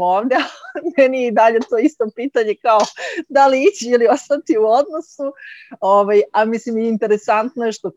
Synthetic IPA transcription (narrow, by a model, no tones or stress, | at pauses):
oːʋd̪ealmɛnijeid̪aʎe̞t̪o̞ist̪o̞piːt̪aɲe̞kaod̪aliit͡ɕeilio̞st̪at̪iuod̪no̞suoʋajamislimjɛint̪e̞ɾesant̪nojeʃt̪o